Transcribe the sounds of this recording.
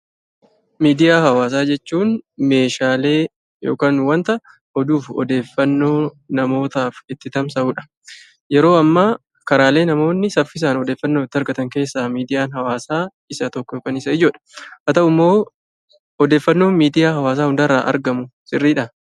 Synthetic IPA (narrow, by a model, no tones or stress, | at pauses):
miːd̪ɪjaːhɐwaːs̬aːd͡ʒɛt͡ʃːuːnme̞ːʃaːle̞ː | jo̰ːkaːnwɐnt̪ɐʔ | ʔɔd̪uːfɔ̰d̪e̞ːfːɐnːo̞ː | nɐmo̞ːt̪aːfɪt̪ːɪt̪ɐmsɐuːᶑɐ̥ | jɛɾo̞ːɐmːa | kɐɾaːle̞ːnɐmo̞ːnːɪsɐfːɪs̬aːnɔd̪e̞ːfːɐnːoːɪt̪ːɪɐɾɡɐt̪ɐŋke̞ːsːaːmiːd̪ɪjaːnɦɐwaːsaː | ɪsɐt̪ɔkːɔjoːkɐnɪsɐɪd͡ʒoːᶑɐ̥ʔɐt̪ɐʔʊmːo̞ː | ɔd̪e̞ːfːɐnːo̞ːnmiːd̪ɪjaːɦɐwaːs̬aːhʊnd̪ɐɾa̰ːʔɐ̰ɾɡɐmʊsɪrːiːᶑɐ